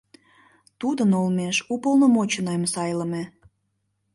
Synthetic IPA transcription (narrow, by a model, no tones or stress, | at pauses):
t̪ud̪ənolmeʃupəlnomot͡ɕənomsɑjləme